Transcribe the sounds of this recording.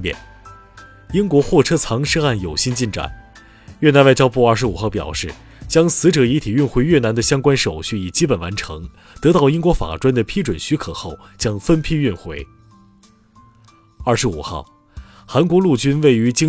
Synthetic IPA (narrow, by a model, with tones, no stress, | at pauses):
ɛ̰˥˩n | i˥nkwɔ˧˥xwɔ˥˩ʈ͡ʂʰɤ˥t͡sʰɑ˧˥ŋʂ̩˥a˥˩njo˨˩ʊɕi˥nt͡ɕi˥˩nʈ͡ʂa̰˨˩˦n | ɥna˧˥nwa˥˧ɪt͡ɕjɑ˥p̬u˥˧ɐ˞˥˩ʂɻ̩˧˥u˨˩xɑ˥˩ʊpjɑ̰˨˩ʊʂɻ̩˥˩ | t͡ɕjɑ˥ŋsɹ̩˧˥ʈ͡ʂɤ˨˩i˧˥t̪ʰi˨˩y˥˧nxwe˧˥ɪɥɛ˥˩na˧˥nd̪ə˧ɕjɑ˥ŋkwa˥nʂo˨˩ʊɕy˥˩i˨˩t͡ɕi˥pə˨˩nwa̰˧˥nʈ͡ʂʰɤ˧˥ŋ | t̪ɤ˧˥t̪ɑ˥˩ʊi˥nkwɔ˧˥fa̰˨˩ʈ͡ʂwa˥nd̪ə˨pʰi˥ʈ͡ʂwə˨˩nɕy˧˥kʰɤ˨˩xo˥˩ʊ | t͡ɕjɑ˥ŋfə˥npʰi˥y˥˧nxwe˧˥˩ɪ | ɐ˞˥˩ʂɻ̩˧˥u˨˩xɑ̰˥˩ʊ | xa˧˥nkwɔ˧˥lu˥˩t͡ɕy˥nwe˥˩ɪy˧˥t͡ɕi˥